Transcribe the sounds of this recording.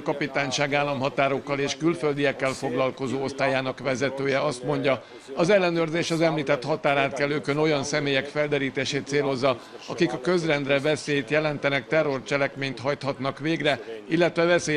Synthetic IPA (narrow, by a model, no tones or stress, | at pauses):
kɒpit̪aːɲʃaːɡaːlːɒmɦɒt̪aːɾo̞kːɒleːʃkylføld̪ijɛkːɛlfo̞ɡlɒlko̞zoːo̞st̪aːjaːnɒkʋɛzɛt̪øːjɛɒst̪mo̞ɲɟɒ | ɒzɛlːɛnøːrzeːʃɒzɛmliːt̪ɛt̪hɒt̪aːɾaːt̪kɛlːøːkøno̞jɒnsɛmeːjɛkfɛld̪ɛɾiːt̪eːʃeːt̪seːlo̞zːɒɒkikɒkø̞zrɛnd̪rɛvɛseːjt̪jɛlɛnt̪ɛnɛkt̪ɛrːo̞rt͡ʃɛlɛkmeːɲt̪ɦɒjt̪hɒt̪nɒkʋeːɡrɛilːɛt̪ʋɛvɛseː